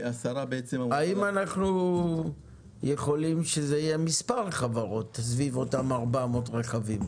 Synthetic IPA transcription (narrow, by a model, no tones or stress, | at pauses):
asaʁabeet͡semaimanaχnu | jeχo̞limʃezeijemispaʁχavaʁo̞t̪ːas̬vivo̞tamaʁbamotʁeχavim